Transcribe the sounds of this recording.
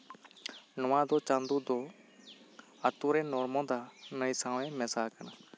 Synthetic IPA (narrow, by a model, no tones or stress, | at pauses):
nʊʋãːd̪oːt͡ʃãːnd̪uːd̪oː | ət̪uːɾẽːnoːɾmõːd̪aːnəiːsãːʋẽːmɛsaːkəna